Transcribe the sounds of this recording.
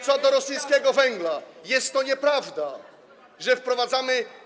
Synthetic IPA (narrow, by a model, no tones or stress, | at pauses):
t̪sɔd̪ɔɾɔsɘjskʲɛɡɔvɛŋɡlajɛst̪ːɔɲɛpɾavd̪a | ʐɛfpɾɔvad̪zamɘ